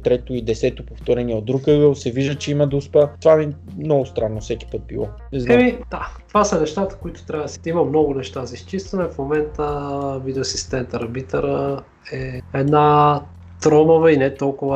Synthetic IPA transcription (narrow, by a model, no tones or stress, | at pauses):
t̪ɾɛt̪oid̪ɛsɛt̪opoft̪ɔɾɛniɛod̪ɾukəɡəlˠsɛviʒd̪ət͡ʃɛimɐd̪ɐuspət̪ovamimnɔɡʊst̪ɾanːofsɛki̥pət̪̚bilˠɔnɛznaɛmid̪̥at̪ovasɐnɛʃt̪at̪ə̥koit̪ʊ̥t̪ɾʲabəd̪simɐmnɔɡʊnɛʃt̪azɐist͡ʃist̪ɐnɛfmomɛnt̪əvid̪ɛɐsist̪ɛnt̪əɾbit̪əɾə | ɛɛd̪na | t̪ɾɔmovɐinɛt̪ɔlˠkʊvə